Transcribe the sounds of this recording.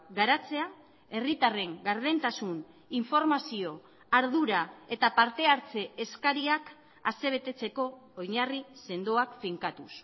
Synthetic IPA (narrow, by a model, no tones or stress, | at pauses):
ɡaɾat͡se̞a | e̞rit̪are̞ŋɡaɾð̞ent̪asun | iɱfo̞ɾmasio̞ | aɾðuɾae̞t̪apaɾt̪e̞aɾt͡se̞ːskaɾiak | a̰se̞β̞e̞t̪e̞t͡se̞ko̞ːjɲarise̞nd̪oakfiŋkat̪us